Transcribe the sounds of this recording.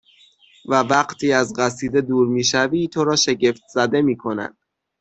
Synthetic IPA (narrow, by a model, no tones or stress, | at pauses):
vævæɢt̪ʰiːæzɢæsiːd̪e̞d̪uːɾmiːʃæviːt̪ʰo̞ɾɒːʃe̞ɟe̞ft̪̚ʰz̥æd̪e̞miːkʰo̞næ̰d̪̥